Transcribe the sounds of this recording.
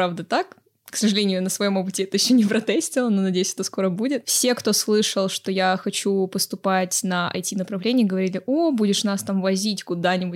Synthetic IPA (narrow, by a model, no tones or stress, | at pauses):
pɾavd̪ət̪ak | ksəʐɨlʲenʲɪʊnəsvɐjo̞mop̬ɨtʲɪɛt̪əjɪɕːonʲɪpɾɐt̪ɛsʲtʲɪlˠəno̞nɐdʲejʏsʲɛ̥t̪osko̞ɾəbudʲɪt̪fsʲe̞kt̪o̞slˠɨʂəlˠʂt̪o̞jaxɐt͡ɕupəst̪ʊpatʲnəɐ̰jtʲinəpɾɐvlʲenʲɪjəɡəvɐɾʲilʲɪʔobudʲɪʂnast̪amvɐzʲitʲkʊd̪anʲɪbʊtʲ